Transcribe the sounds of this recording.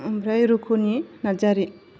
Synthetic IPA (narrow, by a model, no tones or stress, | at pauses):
mbɾajɾukʰuninad͡ʒaɾi